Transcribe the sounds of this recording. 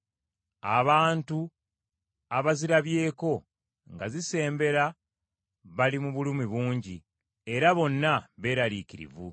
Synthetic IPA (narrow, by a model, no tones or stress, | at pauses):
a̰βaːntu | aβaziɾaβje̞ːko̞ | ŋɡazise̞ːmbe̞ɾa | βalimuβulumiβuːɲɟi | e̞ɾaβo̞nːaβe̞ːɾalikiɾḭvu